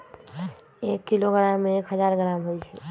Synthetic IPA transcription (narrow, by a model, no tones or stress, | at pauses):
eːkːiloɡɾaːmːẽeːkɦəzaːɾɡɾaːmɦoːit͡ʃʰɛ